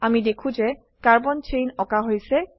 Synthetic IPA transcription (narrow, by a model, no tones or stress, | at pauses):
amidekʰũzɛ | kaɹbɔnt͡ʃejnɔkaɦojsɛ